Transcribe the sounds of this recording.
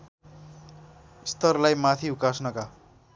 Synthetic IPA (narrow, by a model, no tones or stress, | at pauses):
st̪ʌrlajmat̪ʰiukasnʌka